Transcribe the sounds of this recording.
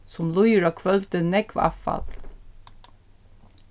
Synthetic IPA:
sɔmlʊjɹɑkʰʋœlt̪ənɛkʰʋɑ̰fɑ̰l

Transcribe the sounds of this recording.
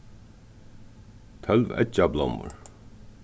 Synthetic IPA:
t̪ʰœlvɛ̰t͡ʃablɔ̰mʊ̰ɹ

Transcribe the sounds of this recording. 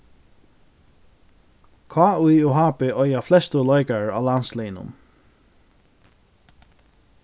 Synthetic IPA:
kʰaːujʊɦaːpɪʔɔjaflɛst̪əlɔjkaɹa̰ːlanslɛːnʊ̰m

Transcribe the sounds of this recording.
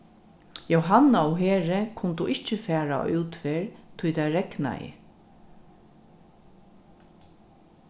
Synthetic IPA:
jowɦanːaʊɦeːɹɪkʰʊnt̪uʔɪht͡ʃːəfɛːɹa̰uwt̪feːɹt̪ʰʊjt̪ajɾɛkna̰ɪ̰

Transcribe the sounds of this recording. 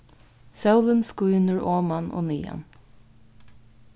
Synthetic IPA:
sawlənskuːnəɹoːmanʔo̰ːniːa̰n

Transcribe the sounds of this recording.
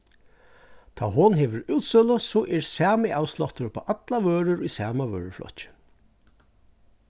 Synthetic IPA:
t̪ʰa̰ːɦʊnhɛːʋəɾuːt̪sʏlʊsɔʔɛɹsæːmɪʔaːwslɔht̪əɾpʰa̰ːʔat̪laʋøːɾʏɾisæːmaʋø̰ːɹɪ̰ɹflɔ̰t͡ʃɪ̥

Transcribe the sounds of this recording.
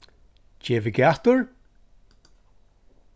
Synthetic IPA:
d͡ʒeːvɪɡʲaht̪əɹ

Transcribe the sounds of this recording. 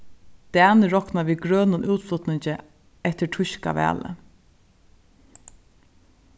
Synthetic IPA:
d̪̥æːnəɹɔknaʋiːɡɾœːnʊnʔuːt̪flʊt̪nɪɲt͡ʃə | ɛht̪əʈʰʊʃka̰ʋæ̰ːlə̰

